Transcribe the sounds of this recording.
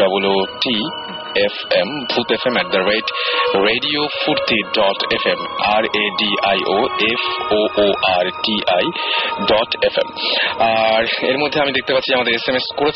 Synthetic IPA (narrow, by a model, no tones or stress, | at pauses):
aboloʈi | efembʱut̪efemɛʈ̚d̪ɐɾejʈɾeɖiofuɾt̪iɖɔʈefemaɾeɖiʔajʔoefoʔoʔaɾʈiʔajɖɔʈefḛmaɾeɾmod̪ʱːeamid̪ek̚t̪epat̪ːʰiamad̪eɾesemeskoɾe